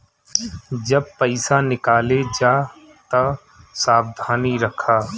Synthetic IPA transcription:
d͡ʒɐb̚pɐɪsanɪkaːled͡ʒaː | t̪ɐ | saːbd̪ʱaːniɾɐkʰaː

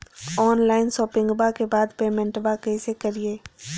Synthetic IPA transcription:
ɔːnlaːɪnsɔːpɪ̃ŋɡbakebaːd̪peːmɛ̃ɳʈbakɛːsekəɾieː

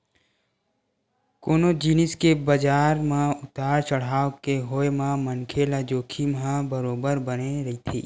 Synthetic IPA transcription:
koːnod͡ʒiːnɪskebəd͡ʒaːɾmãʊt̪aːɾt͡ʃəɽ̤aːokeɦoːemãmənkʰelad͡ʒoːkʰimɦãbɐɾoːbəɾbəneɾɐɦit̪ʰḭː

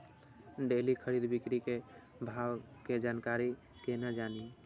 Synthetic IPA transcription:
ɖelikʰəɾid̪bikɾike | bʱawked͡ʒaːnkaɾi | kenad͡ʒaːni

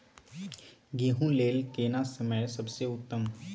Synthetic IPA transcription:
ɡeːɦũleːlkeːnasəməjsɐbseʊt̪ːəm

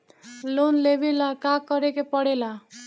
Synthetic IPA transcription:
lonlebelakakːʌɾekepʌɽela

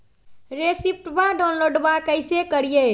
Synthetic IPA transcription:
ɾesip̚ʈbaɖawnloɖbakəɪsekəɾije

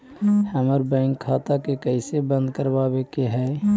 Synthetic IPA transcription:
hɛməɾbɛ̃ːŋkʰːaːt̪akekɛɪsebə̃nd̪̚kəɾbaːbekeɦɛː

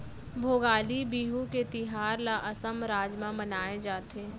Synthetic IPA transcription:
bʱoːɡaːlibiːɦũket̪ɪɦaːɾlaʔɐsəmɾaːd͡ʒmãmɐnaːed͡ʒaːt̪eː

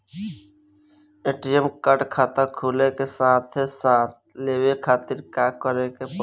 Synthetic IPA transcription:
eːʈijəmkəʈkʰaːt̪akʰuːlekesaːt̪ʰesaːt̪̚ʰleːwekʰaːt̪ɪɾkaːkəɾekep

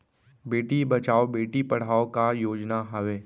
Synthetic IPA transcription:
beːʈibɐt͡ʃaːobeːʈipɐɽ̤aːokajoːd͡ʒnaɦɐʋeː

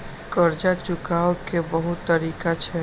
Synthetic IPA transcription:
kəɾd͡ʒat͡ʃʊkaokebəɦʊt̪ːəɾiːkat͡ʃʰɛ

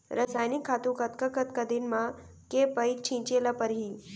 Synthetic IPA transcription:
ɾəsaːjnɪkʰːaːt̪ũkət̪kəkət̪kəd̪inmã | kepəjk̚t͡ʃʰĩt͡ʃelapəɾɦiː

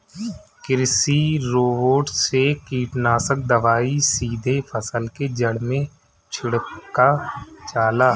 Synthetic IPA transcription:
kɪɾsiɾoːʋoːʈsekiːʈnaːsək̚d̪əʋaːisiːd̪ʱefʰəsəlked͡ʒəɽmẽ | t͡ʃʰɪɽkat͡ʃaːlaː

